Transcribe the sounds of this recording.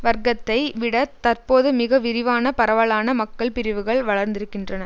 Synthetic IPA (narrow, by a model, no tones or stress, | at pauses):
ʋɐɾɡɐt̪ːɐɪʋɪɽɐt̪ɐrpoːðɯmɪɣɐʋɪɾɪʋaːnɐpɐɾɐʋɐɭaːnɐmɐkːɐɭpɪɾɪʋɯɣɐɭʋɐɭɐɾnd̪ɪɾɯkːɪndrɐnɐ